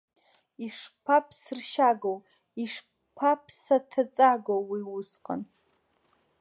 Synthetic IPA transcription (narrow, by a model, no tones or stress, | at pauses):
iʂpʰapʰsɨrʃaɡow | iʂ | pʰapʰsatʰat͡sʼaɡowwiwʊsqʼa̰n